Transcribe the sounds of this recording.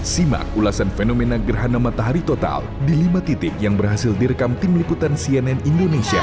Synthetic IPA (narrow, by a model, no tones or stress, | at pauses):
sima̰kulasanfenomenaɡərɦanamat̪aɦaɾit̪ot̪a̰ldilimat̪it̪ɪp̚jaŋbərɦasɪldiɾəkamt̪ɪmliput̪ansiɛnɛnindonesia̰